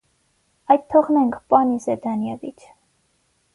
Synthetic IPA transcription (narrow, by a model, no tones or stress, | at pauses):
ɑjt̪t̪ʰːɔʁnɛŋkʰpɑnisɛd̪ɑnjɛvit͡ʃʰ